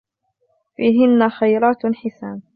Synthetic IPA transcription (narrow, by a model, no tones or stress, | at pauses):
fiːɦɪnːaxajɾˤaːt̪ħɪsaːn